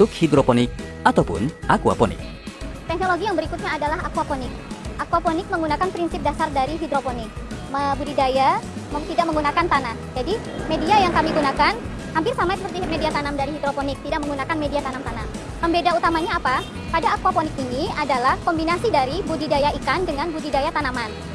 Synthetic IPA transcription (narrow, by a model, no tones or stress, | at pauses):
t̪ʊkhidɾoponɪk̚ | at̪awpʊ̰nakua̰ponɪ̰k̚ | t̪ɛknoloɡijaŋbəɾikʊt̪̚ɲaːdalaɦakuaponɪk̚ʔakuwaponɪk̚məŋɡunakanpɾinsɪp̚dasardaɾiɦidɾoponɪk̚məbudidajamaut̪idak̚məŋɡunakant̪anahd͡ʒadi | mediajaŋkamiɡunakan | hampɪrsamasəpərt̪imediat̪anamdaɾihid̪ɾoponɪk̚t̪idak̚məŋɡunakanmediat̪anamt̪anam | pəmbedaut̪amaɲaːpa | padaːkuwaponɪkiniadalahkɔmbinasidaɾibudidajaikandəŋanbudidajat̪anaman